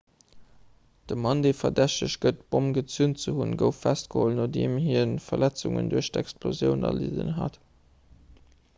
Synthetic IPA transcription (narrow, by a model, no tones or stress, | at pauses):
d̥əmɑndeːfɐdæɕtəɕɡ̥ətb̥omɡət͡sunt͡səhunɡəʊfːæstɡ̥əholnodeːmhiːnfɐlæt͡suŋə̰nduɐɕtɛkspʰlozjəʊnɐ̰lḭzə̰nɦɑ̰t